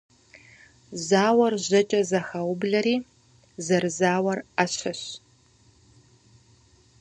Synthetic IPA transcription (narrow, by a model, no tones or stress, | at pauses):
zaːwɐrʑɐt͡ʃʼɐzɐxɐwʊbɮɐɾiː | zɐrzaːwɐraɕʰɐɕ